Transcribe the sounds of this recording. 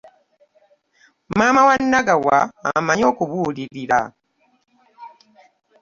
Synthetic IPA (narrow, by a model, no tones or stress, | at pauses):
maːmawanːaɡawa̰ːmaɲo̞ːkuβuːliɾiɾa̰